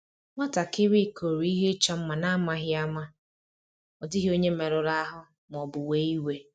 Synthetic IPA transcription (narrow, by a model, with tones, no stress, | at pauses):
ma˦ta˨kɪ˦ɾi˦˨kʰo˨ɾi˦ɦe˦t͡ʃa˦m̩˦ma˨na˦ma˦ɦɪ˦a˦ma˦ | ɔ˨dɪ˦ɦi˦o˦ɲe˦me˨ɾʊ˨ɾa˦ɦʊ˦ | m˨ɔ˨bʊ˨we˦i˦we˦